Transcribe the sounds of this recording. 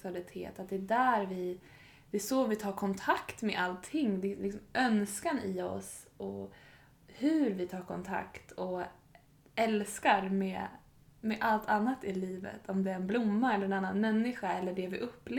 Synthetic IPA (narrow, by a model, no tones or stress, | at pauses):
salɪt̪ʰḛːt̪at̪̚d̪ɛːd̪æːɾvɪ | d̪̥ɛsɔvɪt̪ʰɑːɾkʰɔnt̪ʰakt̪mɛʔalt̪ʰːɪŋːd̪ɛlɪksɔmʔœnskanɪɔ̰s | ɔ | hʉɾvɪt̪ʰɑːɾkʰɔnt̪ʰa̰kt̪ʰɔ | ʔɛlskaɾmɛ | mɛʔalt̪ʰanːat̪ɪliːvə̰t̪ʰɔmd̪ɛæɾɛnblʊmːaɛlːəɾɛnanːanmɛnːɪɧaɛlːəɖɛvɪʔɵpːl